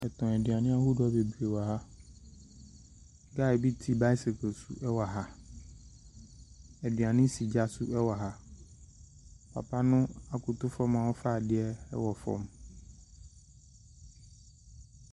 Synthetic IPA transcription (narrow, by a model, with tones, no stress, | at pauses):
ɛ˨tɔ̃˨ɛ˨dɪ˨a˨nɪ̃˦a˦hu˦dɔ˦be˨bu˨e˨wa˨ɦa˦ | ɡa˦˨bi˦tʰi˦ba˦i˦se˨kʰɔ˨sṵ˦ʔɛ˦wa˨ɦa˦ | ɛ˨dɪ˨a˨nɪ̃˦si˨d͡ʑa˦su˦ɛ˦wa˨ɦa˦ | pʰa̰˨pʰa˦nʊ̃˦a˨kʰʊ˨t̪ʊ˦fɔ˦mã˨wɔ˦fa˦˨dɪ˦ɛ˦ɛ̰˦wɔ˨fɔ̰̃˦m